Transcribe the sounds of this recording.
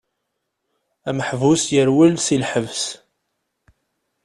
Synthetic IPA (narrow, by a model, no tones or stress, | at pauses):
æməħvusjəɾwəlsilħəvs